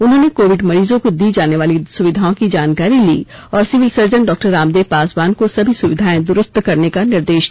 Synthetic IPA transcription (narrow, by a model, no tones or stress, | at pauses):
ʊnɦõːnekoːʋɪɖmɐɾiːzõkod̪iːd͡ʒaːneʋaːlisʊʋɪd̪ʱaːõkid͡ʒaːnkaːɾilḭːɔːɾsɪʋɪlsɐɾd͡ʒəɳɖɔːk̚ʈəɾaːmd̪eːpaːsbaːnkosɐbʱisʊʋɪd̪ʱaːẽd̪ʊɾʊst̪kɐɾnekanɪɾd̪eːʃ